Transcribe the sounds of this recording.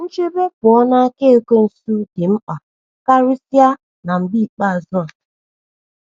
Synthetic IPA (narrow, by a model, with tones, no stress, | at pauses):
n̩˦t͡ʃe˦be˦pʊ˨ɔ˦na˦ke˦o˦ko˦n̩˨su˦dɪ˨m̩˦k͡pa˨ | ka˦ɾi˦sja˦ | na˨m̩˨bi˦˨k͡pa˦˨zɔ˦a˨